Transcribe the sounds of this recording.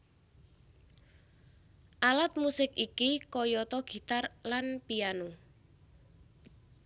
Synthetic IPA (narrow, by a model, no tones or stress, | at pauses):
ʔalat̪̚musɪkikikɔjɔt̪ɔɡ̥i̤t̪arlanpianu